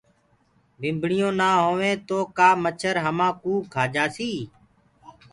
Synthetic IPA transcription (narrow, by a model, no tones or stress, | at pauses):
bɪ̃mbʱɳɪjõːnaːɦoːʋẽːt̪oːkaːmət͡ʃʰəɾɦəmãːkũːkʰaːd͡ʒaːsiː